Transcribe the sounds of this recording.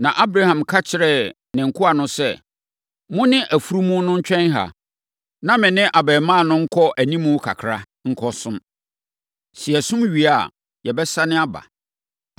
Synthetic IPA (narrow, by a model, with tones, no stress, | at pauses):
nã˨ʔa˦bɾa˦hã˨mkʰa˦t͡ɕʰɪ˨ɾɛ˦˨ | nɪ̃˨ŋ̩˨kʰʊ˦a˨nʊ̃˦sɛ˦˨ | mʊ̃˦nɪ̃˦ʔæ˨fu˦ɾu˦mũ˦nʊ̃˦ɲ̩˦t͡ɕᶣɛ̃˦nɦa̰˨ | nã˦mɪ̃˨nɪ̃˦ʔa˨bɛː˨mã˦˨nʊ̃˦ŋ̩˦kʰɔ˦ʔæ˨nĩ˦mũ˦kʰa̰˨kʰɾa˦ | ŋ̩˦kʰɔ˦sʊ̃˦m | si˨ɛ˨sʊ̃˦mɥi˨a˦˨ | jɛ˨bɛ˦sa˦nɪ̃˦a˦ba̰˨